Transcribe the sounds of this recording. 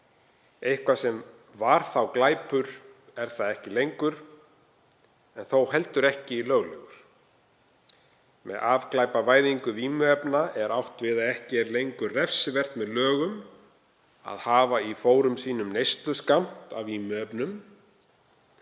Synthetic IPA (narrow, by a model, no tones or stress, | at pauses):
ejhkvasɛm | vaɾ̥θawklaːjpʏɾ̥ɛɾ̥θaðɛhcɪlejŋkʏɾ | ɛnθowɦɛl̪t̪ʏɾɛhcɪilœːɣlɛɣʏɾ̥ | mɛ̰ðaːvklaːjpavaːjðiŋkʏviːmʏɛpnaʔɛɾawht̪vɪðaðɛhcɪɛɾlejŋkʏrrɛfsɪvɛr̥t̪mɛðlœːɣʏm | a̰ðhaːvaifoːwɾʏmsiːnʏmnejst̪lʏskam̥t̪a̰viːmʏœpnʏm